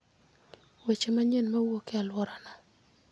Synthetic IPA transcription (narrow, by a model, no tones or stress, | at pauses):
wet͡ʃemaɲenmawokealwɔɾana